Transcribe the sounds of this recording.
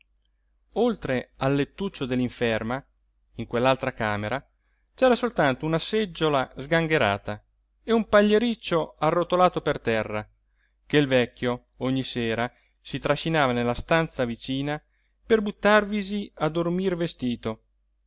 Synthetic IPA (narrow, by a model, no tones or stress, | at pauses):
olt̪ɾealːet̪ːut͡ʃːod̪elːiɱfɛrma | iŋkwelːalt̪ɾakaːmeɾa | t͡ʃɛːɾasolt̪ant̪ounased͡ʒːolazɡaŋɡeɾa̰ːt̪a | eumpaʎːeɾit͡ʃːoarːot̪olaːt̪opert̪ɛrːa | keilvɛkːjo | oɲːiseːɾa | sit̪ɾaʃinaːvanelːast̪ant̪savit͡ʃiːna | perbut̪ːarviziad̪ormirvest̪iːt̪o